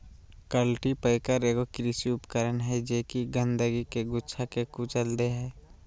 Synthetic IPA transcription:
kəlʈipəɪkəɾeːɡokɾisiʊpkəɾənɦɛd͡ʒeːkiɡə̃nd̪əɡikeɡʊtːt͡ʃʰakekut͡ʃəld̪eɦɛː

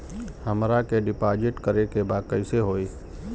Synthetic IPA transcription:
həmɾakeɖɪpaːd͡ʒɪʈkəɾekebakəɪseɦoːi

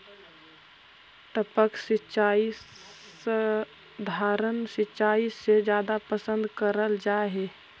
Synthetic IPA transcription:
t̪əpəksit͡ʃaːi | ə | d̪ʱaːɾənsɪtːt͡ʃaːised͡ʒjaːd̪apəsə̃nd̪kəɾəld͡ʒaɦe

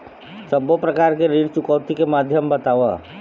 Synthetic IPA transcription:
səbopɾəkaːɾkeɾiːɽt͡ʃʊkəʊt̪ikemaːd̪ʱjəmbət̪aːʋa̰

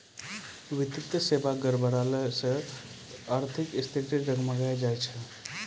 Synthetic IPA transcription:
ʋit̪it̪əsebaɡəɾbəɾaləsə | aɾt̪ʰikist̪ʰiʈiɾəɡməɡajd͡ʒajt͡ʃʰə

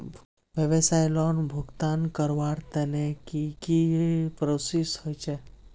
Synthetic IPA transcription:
ʋjəʋesajlɔnbʱʊɡt̪ankəɾʋaɾt̪ɛnekikipɾosishojt͡ʃʰe

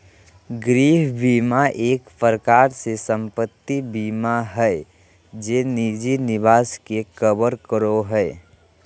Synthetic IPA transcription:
ɡɾiːɦbiːmaʔeːkpəɾkaːɾsesə̃mpət̪ːibiːmaɦɛ | d͡ʒeːniːd͡ʒinɪʋaːskekəbəɾkəɾoɦɛː

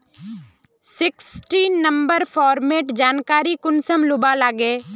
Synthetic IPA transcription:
sɪksʈiːnːə̃mbəɾpʰɔːɾmeːʈd͡ʒaːnkaːɾikʊnsəmlʊbalaːɡeː

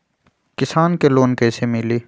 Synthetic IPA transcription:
kɪsaːnkeloːnkɛːsemɪliː

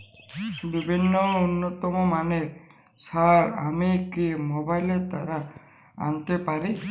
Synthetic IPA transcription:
bibʱinːɔunːɔt̪ɔmɔmane | saɾa̰mikimobajlet̪aɾa | a̰nt̪epaɾi

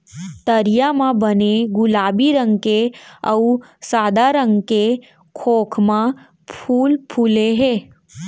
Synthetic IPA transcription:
t̪əɾijamãbəneɡʊlaːbiɾə̃ŋɡkeəusaːd̪aɾə̃ŋɡke | kʰoːkʰmã | pʰuːlpʰuːleɦeː

